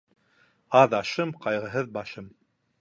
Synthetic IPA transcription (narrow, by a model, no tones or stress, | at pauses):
ɑðɑʃɤmqɑjʁɤ̆ɦɤðbɑʃɤm